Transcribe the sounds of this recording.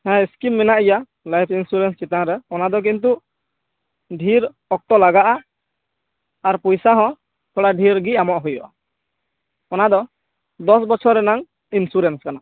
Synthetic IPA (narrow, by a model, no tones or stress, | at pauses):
hɛ̃skimːɛnaʔija | lajpʰinsuɾɛnst͡ʃit̪ãɾɛɔnad̪ɔk̬int̪̬u | ɖʱiɾ | ɔk̚t̪ɔlaɡaʔa | ɾpɔjsaɦɔ̃ | t̪ʰɔɽaɖʱiɾɡiamɔʔɦujɔʔa | ɔnad̪ɔ | d̪ɔsbɔt͡ʃʰɔɾːɛnaŋ | insuɾɛnskana